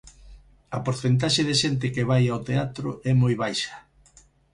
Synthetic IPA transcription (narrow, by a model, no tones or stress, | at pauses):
ɐpoɾθent̪̬aʃeðeʃent̪̬ɪkeβajawt̪eat̪ɾʊ̰ʔɛmojβajʃɐ̥